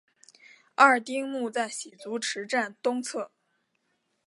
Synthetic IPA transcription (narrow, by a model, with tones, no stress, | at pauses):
a˥˩t̪i˥ŋmu˥˧t͡sa˥˩ɪɕi˨˩t͡su˧˥ʈ͡ʂʰɻ̩˧˥ʈ͡ʂa˥˩nt̪ʊ˥ŋt͡sʰɤ˥˩